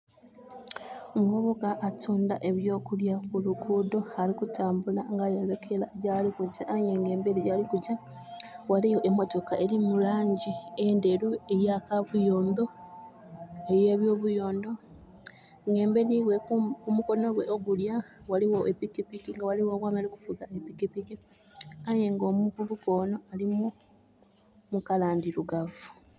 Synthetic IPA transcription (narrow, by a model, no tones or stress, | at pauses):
omuβuɡaʔːtuːndaʔe̞βjo̞ːkuljaβulukuːdo̞halikutaːmbulaŋɡajolekʰelaɟalikuɟaajeŋɡeːmbeliɟalikuɟa | walijo̞ʔemo̞to̞kae̞limulaːɲɟiende̞ɾuejakaβujoːnd̪o̞ | eje̞ːβjo̞ːβujo̞ːnd̪o | ŋɡe̞ːmbe̞niɣwekuumuko̞no̞ɡwe̞ʔoɡuljawaliwo̞ʔepikipikiŋɡawaliwoɣwaːmaliku̥fuɡaʔepikipiki | ajeŋɡomuvuβuko̞ːno̞alimu | mukalaːndiɾuɡavu̥